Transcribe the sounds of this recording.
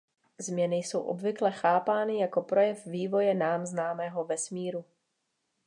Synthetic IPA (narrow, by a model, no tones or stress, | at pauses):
zmɲɛnɪjso̞wʔo̞̰bvɪklɛxaːpaːnɪjako̞pɾo̞jɛfviːvo̞jɛnaːmznaːmɛːɦo̞vɛsmiːɾu